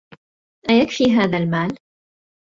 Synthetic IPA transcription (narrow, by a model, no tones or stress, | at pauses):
ʔajakfiːɦaːðalmaːl